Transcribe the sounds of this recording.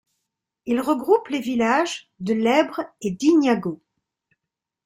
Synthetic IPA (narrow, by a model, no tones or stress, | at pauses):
ilʁəɡʁuplevilaʒ | d̪əlɛbʁed̪injaɡo